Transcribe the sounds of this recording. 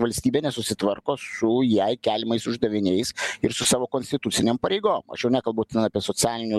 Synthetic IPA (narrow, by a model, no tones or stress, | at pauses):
ʋɐlʲsʲt̪ʲiːbʲeːnʲɛsʊsʲɪt̪ʋɐɾkoːsʊjɛɪkʲæːlʲɪmɐɪsʊʒd̪ɐʋʲɪnʲɛɪsɪɾsʊsɑːʋoːkoːnʲsʲt̪ʲɪt̪ʊt͡s̪ʲɪnʲeːmpɐɾʲɛɪɡoːmɐ̰ʃjɛʊnʲækɐlˠbɐʊt̪ʲɛnɑːpʲiɛsoːt͡s̪ʲæːlʲɪnʲu